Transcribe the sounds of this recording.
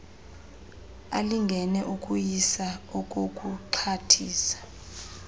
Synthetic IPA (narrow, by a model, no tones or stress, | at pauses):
a̰liŋɡʱɛnɛʔukʼujisaɔkʼokʼuǃʰatʰiːsḁ